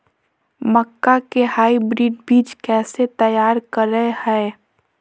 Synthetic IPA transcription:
məkːakehaːibɾiːɖbiːd͡ʒkɛːset̪əjaːɾkəɾəehɛː

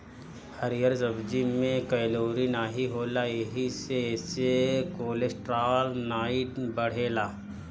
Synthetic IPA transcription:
hɐɾijəɾzɐbd͡ʒimẽkɐjloːɾinaɦiɦoːlaeɦisesekoːlesʈɾaːlnaːɪʈbɐɽ̤eːlaː

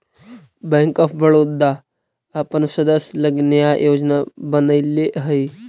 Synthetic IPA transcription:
bɛ̃ŋkɔpʰbəɭoːd̪aː | pənsəd̪əsləɡnjajoːd͡ʒnabənəileɦəi

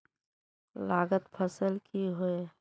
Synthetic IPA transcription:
laːɡət̪pʰəsəlkʰiɦoe

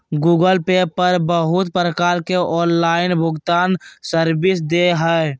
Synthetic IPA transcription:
ɡuːɡəlpepəɾbəɦʊt̪pəɾəkaːlkeʔɔːnlaːɪnbʱʊɡt̪aːnsəɾbɪsd̪eɦɛe

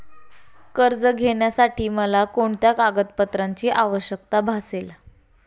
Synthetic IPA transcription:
kəɾd͡zəɡʱeɳjasaʈʰiːməlakoɳt̪jakaɡət̪pət̪ɾaɲt͡ɕiːʔaʋəɕjək̚t̪abʱasel

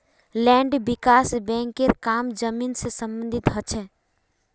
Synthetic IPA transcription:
lɛ̃ːɳɖbɪkaːsbɛ̃ːŋkeɾkaːmd͡ʒəminsesə̃mbə̃nd̪ʱɪt̪ɦət͡ʃʰɛ

